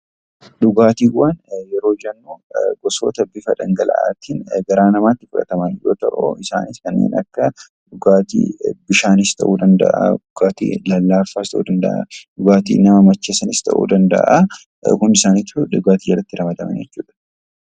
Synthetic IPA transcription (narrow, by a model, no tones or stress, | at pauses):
ᶑʊɡaːt̪iːwːɐnjɛɾo̞ːd͡ʒɐnːuːɡɔso̰ːt̪ɐbɪfɐᶑɐ̰ŋɡɐlɐ̰ʔa̰ːt̪iːnɡɐɾaːnɐmaːt̪ːɪfʊᶑɐ̰t̪ɐmɐnhɪjoːt̪ɐ̰ʔʊɪsa̰ːnɪskɐnːḛːnɐ̰kːɐ | ᶑʊɡaːt̪ḭbɪʃaːnɪst̪ʰɐ̰ʔuːd̪ɐnd̪ɐ̰ʔɐ̰ᶑʊɡaːt̪ḭːlɐlːaːfːaːst̪ɐʔuːd̪ɐnd̪ɐ̰ʔa̰ᶑʊɡaːt̪ḭːnɐmɐmɐt͡ʃːeːsɐnɪst̪ʰɐ̰ʔṵːd̪ɐnd̪ɐ̰ʔɐ | kʊnɪsaːniːt̪hᶑʊɡaːt̪ijɛrɐt̪ːɪɾɐmɐd̪ɐmɐ̰nd͡ʒɛt͡ʃːuːᶑ̪ɐ̥